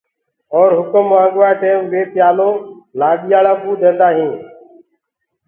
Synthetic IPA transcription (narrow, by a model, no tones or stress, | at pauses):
ɔːɾɦʊkəmːãːŋɠʋaːjʈeːmʋeːpɪjaːloːlaːɗiːjaːlaːbuːd̪ʱẽːnd̪aːɦĩː